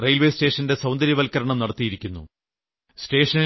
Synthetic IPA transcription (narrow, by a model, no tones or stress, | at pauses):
rejlʋe̞ːste̞ːʂɐnde̞sɐwnd̪ɐɾjɐʋɐlkɐɾɐɳɐmnɐɽɐt̪ːijiɾikʲːunːṵ | ste̞ːʂɐni